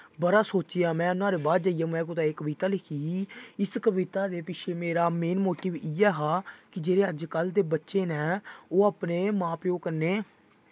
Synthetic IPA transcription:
bəɾaːsoːt͡ʃijãːmɛ̃ːnaːɾeːbaːd̪d͡ʒaːijaːmɛ̃ːkʊt̪aːeːkəʋiːt̪aːlɪkʰiːɪskəʋɪt̪aːd̪eːpɪt͡ʃʰeːmeːɾaːmeːnmoːʈiːʋiɛːɦaːkɪd͡ʒeːɾeːəd͡ʒkəld̪eːbətːʃeːnɛ̃ːoːaːpneːmãːpjoːkəɾneː

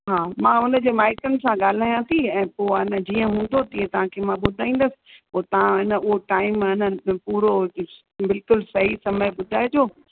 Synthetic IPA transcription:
ɦaːmãːʊnə̆d͡ʑeːmaːɪkənɪ̆sãɠaːl̤aːjãt̪ʰiɛ̃ːpoːɪnə̆d͡ʑiːə̃ɦũːnd̪ot̪ĩːẽt̪ɐʋ̤ãkʰemãɓʊd̪ʱaːĩːn̆d̪əsɪ̥̆poːt̪ɐʋ̤ãɦɪnəʊɦoʈaːɪmɦɪnə̆puːɾo | bɪlkʊlsɐɦisɐməjɓʊd̪ʱaːed͡ʑoː

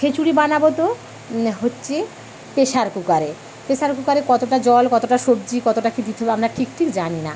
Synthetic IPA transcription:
kʰet͡ɕuɾibanabot̪o | ɦotːɕʰe | peʃaɾkukaɾe | peʃaɾkukaɾekɔt̪oʈad͡ʑɔlkɔt̪oʈaʃobd͡ʑikɔt̪oʈakid̪it̪ʰebeamɾaʈʰik̚ʈʰikd͡ʑanina̰

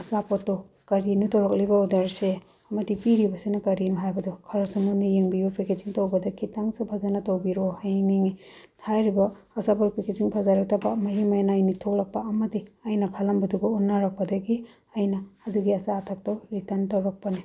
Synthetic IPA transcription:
ɐsapɔtːɔ | kɐɾinutɐwɾɐk̚libɐɔdɐɾse | ɐmɐdipiɾibɐsenɐkɐɾinuɦajbɐdɔkʰɐɾasumɐnijeŋbibɐpʰekeziŋtowbɐdɐkʰitaŋsupʰazanɐtowbiɾohajniŋi | ajɾibɐː | sapɔɾpʰekeziŋpʰazaɾɐk̚tɐbɐmɐɦimajnajnitʰolɐk̚pɐːmɐdiɐjnɐkʰalɐmbɐduɡɐunːaɾɐk̚pɐdɐɡi | ɐjnɐːduɡiɐsaːtʰak̚towɾitɐntɐwɾɐk̚pɐni

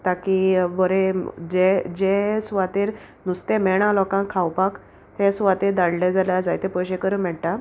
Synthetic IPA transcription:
t̪akibɔɾed͡ʑed͡ʑesʋat̪iːɾ | nust̪emɛɽ̃ãlɔkãkʰawpak | t̪ẽsʋat̪iɾd̪aɽled͡zaljad͡zajt̪epɔɕekəɾəmɛɽʈ̪a

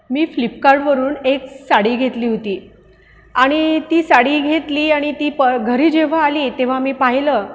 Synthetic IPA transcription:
miːflipkaɾɖʋəɾuːneksaɽiːɡʱet̪liːɦot̪iː | aɽ̃it̪iːsaɽiːɡʱet̪liːaɽ̃it̪iːpəɡʱəɾiːd͡ʑeʋ̤aːliːt̪eʋ̤amiːpaɦiləː

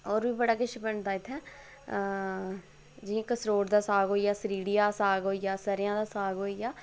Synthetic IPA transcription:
ɔːɾʋiːbəɽaːkɪʃbəɳd̪aːɪt̪ʰːɛː | d͡ʒĩkəsɾoːɽd̪aːsaːɡɦoːijaːsəɾiːɽɪjaːsaːɡoːijaːsəɾɪjãːd̪aːsaːɡɦoːijaː

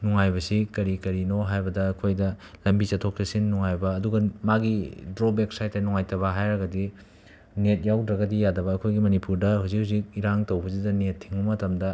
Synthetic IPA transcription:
nuŋajbɐsikɐɾikɐɾinoɦajbɐdɐːkʰojdɐ | lɐmbit͡ʃɐtʰok̚tɐsinːuŋajbɐːduɡɐmaɡidɾobeksajtːɐnuŋajtɐβɐɦajɾɐɡɐdi | net̚jawdɾɐɡɐdijadɐbɐːkʰojɡimɐnipuɾdɐhuzik̚huzik̚iɾaŋtɐwbɐzidɐnetʰːiŋɐmɐtɐmdɐ

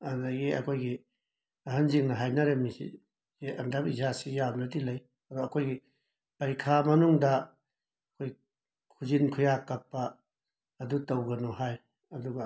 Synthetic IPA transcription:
anaɡeɐ̰kʰojɡi | ɐɦanziŋnɐɦajnɐɾemisḭ | zeʔɐ̰ndabizasijamnɐtilɐj | ɐdɔɐkʰojɡi | pɐɾikʰamɐnuŋdɐː | kʰoj | kʰuzinkʰujakɐpːɐː | dutɐwɡɐnɔhaj | ɐduɡɐ

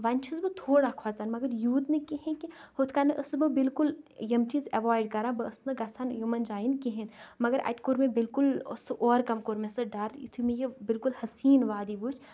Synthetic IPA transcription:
ʋɐnʲt͡ʃʰɐzbɨt̪ʰoːɽakʰaːzanmɐɡɐɾjuːt̪nekiɦẽkihʊt̪ʰkaːnɐʔɐsbɨbɪlkʊljɐmt͡ʃizɐʋaːɪɖkɐɾãbɐəsnɨɡɐsʰanjumɐnd͡ʒaːinkiɦenmɐɡɐɾʔɐ̰ʈkuɾmẽbɪlkʊlsʔɔːɾkɐmkoɾmesɨɖɐɾḭt̪ʰimẽjebɪlkʊlhɐsiːnʋaːd̪ibuːt͡ʃʰ

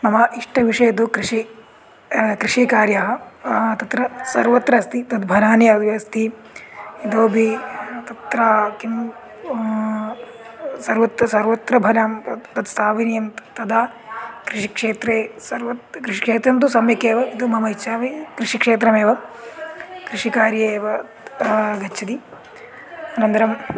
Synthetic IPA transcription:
mɐmɐʔiʂʈɐʋiʂɐid̪ukɾiʂi | kɾiʂiːkaːɾjaɦɐt̪ɐt̪ɾɐsɐ̰ɾʋɐt̪ɾɐːst̪it̪ɐd̪bʱɐnaːnjɐt̪ɐst̪ʰi | id̪oːbʱit̪ɐt̪ɾaːkim | sɐɾʋɐt̪ɐsɐɾʋɐt̪ɾɐbʱɐlaːmt̪ɐt̪saːʋinjɐmt̪t̪ɐd̪aː | kɾiʂikʂeːt̪ɾeːsɐɾʋɐt̪kɾiʃi̥kʂeːt̪ɾɐnt̪̬usɐmjɐkeːʋɐit̪umɐmɐit͡ʃaːʋikɾiʂikʂeːt̪ɾɐmeːʋɐ | kɾiʂikaːɾjeːʋɐ | ɡɐt͡ʃːt͡ʃʰɐt̪i | ɐnɐnd̪ɐɾɐm

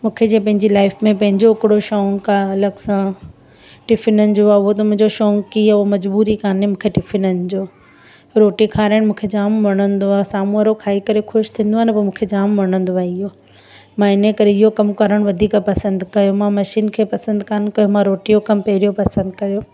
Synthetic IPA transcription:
mũːkʰed͡ʑẽːpɐ̃ɦɪ̃ɲd͡ʑilaːɪfmẽpɐ̃ɦɪ̃ɲd͡ʑoɪkɪɽoʃɔːŋkalɐɡsã | ʈɪfɪnənɪ̆d͡ʑoːaːʊɦot̪ɐmũɦɪ̃ɲd͡ʑoʃɔːŋkiomɐd͡ʑbuːɾikaːnemũːkʰeʈɪfɪnənɪ̆d͡ʑoː | ɾoːʈikʰaːɾɪɽ̃mũːkʰed͡ʑaːmʋɐɽ̃ə̃nd̪oaːsaːmũəɾokʰaːikɐɾexʊʃt̪ʰĩːn̆d̪oaːnɐpɐmũːkʰed͡ʑaːmʋɐɽ̃ə̃nd̪oaːeɪɦoː | mãɪnəkɐɾeɪɦokɐmkɐɾəɽ̃ʋɐd̪ʱiːkapɐsə̃nd̪kɐjomãmɐʃiːnkʰeːpɐsə̃nd̪kaːnkɐjomãɾoːʈijokɐmpɐɦɪɾijopɐsə̃nd̪kɐjoː

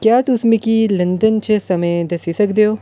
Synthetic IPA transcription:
kjaːt̪ʊsmikilɐ̃nd̪ənt͡ʃəsɐməjd̪ɐsisɐkd̪eɦoː

